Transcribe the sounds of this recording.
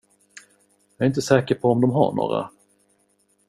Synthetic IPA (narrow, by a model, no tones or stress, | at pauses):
jɑɾɪnt̪əsɛːkəɾpʰɔːmd̪ɔmɦa̰ɳo̰ːɾa̰